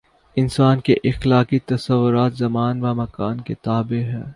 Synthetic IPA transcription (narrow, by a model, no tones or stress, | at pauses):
ɪnsaːnkeʔɪxlaːkit̪ɐsɐʋːʊɾaːt̪zɐmaːnʋamɐkaːnket̪aːbeɦɛ̰ː